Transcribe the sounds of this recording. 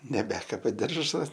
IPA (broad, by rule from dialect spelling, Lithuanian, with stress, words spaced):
nʲɛˈbʲæːkɐbɐ ˈdʲɪrʒɐs